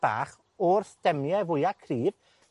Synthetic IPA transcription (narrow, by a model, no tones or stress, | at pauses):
b̥a̰ːχ | ɔrθd̥ɛmjavʊjakʰriːv